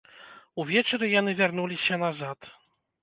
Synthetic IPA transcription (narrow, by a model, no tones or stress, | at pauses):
uvʲɛt͡ʂɾɨjanɨvʲaɾnulʲiɕɛnazat̪